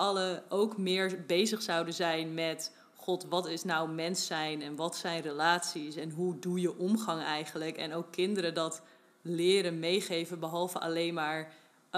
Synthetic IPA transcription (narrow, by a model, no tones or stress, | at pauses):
ɑləowkmɪːɹbejzəχsʌwdəzɛjnmɛt | χɔtʋɑtɪsnawmɛnsɛjnɛnʋɑtsɛjnrəlaːtsisɛnɦudujəʔɔmχɑŋɛjχənləkɛ̰nowkʰːɪndəɾəndɑt | lɪːɾənmejχejvənbəɦɑlˠvəɑ̰lejnmaːɹ